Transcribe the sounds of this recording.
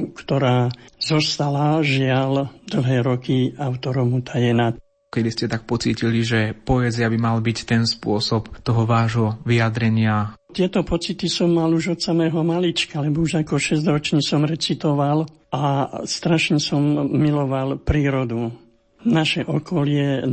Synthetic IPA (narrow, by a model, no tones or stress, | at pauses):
kt̪ɔɾaːzɔst̪alaʒɪald̪l̩ɦɛːɾɔkiaʊt̪ɔɾɔmut̪ʰajɛna | kɛd̪iscɛt̪ak̚pɔt͡siːciliʒɛpɔɛziabimalbict̪ɛnspʊɔsɔpt̪ɔɦɔʋaːʒɦɔʋiad̪ɾɛɲɪa | t̪ɪɛt̪ɔpɔt͡sit̪isɔmːaluʒɔt̪samɛːɦɔmalit͡ʃkalɛbɔuʒakɔʃɛzɟ̪ɾɔt͡ʃɲisɔmɾɛt͡sit̪ɔʋal | ast̪ɾaʃɲɛsɔmːilɔʋalpɾiːɾɔd̪u | naʃɛʔɔkʰɔlɪɛ